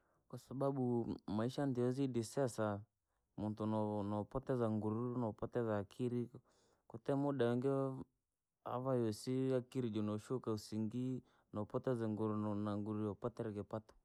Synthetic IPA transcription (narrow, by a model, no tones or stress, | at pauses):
kwasaɓaɓumaiʃandiɔzidisɛsa | muntunɔnɔpɔtɛzaŋɡuɾuunɔpɔtɛzaːkʰiɾi | kutɛmuɗaɛŋɡɛ | a̰vajɔsiakiɾid͡ʒɔnɔʃukausiŋɡi | nɔpɔtɛzaŋɡuɾunaŋɡuɾujɔpɔtɛɾɛkɛpatɔ̥